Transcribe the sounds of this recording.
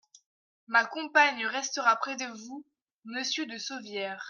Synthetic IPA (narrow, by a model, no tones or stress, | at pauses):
makɔ̃paɲəʁɛst̪əʁapχɛd̪əvu | məsjød̪əsovjɛːʁ